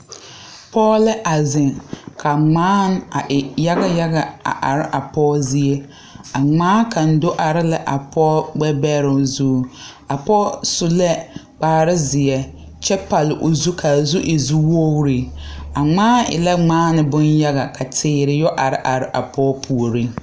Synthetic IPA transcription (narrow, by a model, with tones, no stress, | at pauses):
pɔː˦lɛ˦ʔa˨zɪ˨ŋkʰa˨ŋ͡maː˦n˦a˨ʔɪ˨ja˦ɣa˦ja˦ɣa˨a̰˨ʔa̰˨ɾɪ˦ʔa˨pɔː˦zɪ˦e˦ | a˨ŋ͡maː˦ka˨n̩˨do˦ʔa˨ɾɪ˦la˦ʔa˨pʰɔː˦ɡ͡bɛ˦bɛ˦ɾʊ˨zuː˦ | a˨pɔ˦sʊ˦lɛ˦ | k͡paː˨ɾɪ˦zɪ˨ɛ˦ | t͡ʃɛ˦pa˨lɪ˨ʔʊ˨zu˦kʰa˨zu˦ʔɪ˨zu˦wo˦wɾi˨a˨ŋ͡maː˦ɪ̰˨la˦ŋ͡maː˦nɪ˨bʊ˦nja˦ɣa˨ka˨tʰɪː˦ɾɪ˨jɔ˦ʔa˨ɾɪ˦ʔa˨ɾɪ˦ʔa˨pʰɔː˦pʰu˨o˨ɾi˦